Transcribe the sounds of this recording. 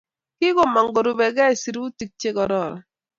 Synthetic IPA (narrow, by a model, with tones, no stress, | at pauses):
kɪ˦ɡo˨ma˨ŋɡo˨ɾu˨bɛ˨ɡa˦˨si˨ɾu˦ti˦k̚t͡ʃe˦ɡɔ˨ɾɔ˦˨ɾɔ̰˨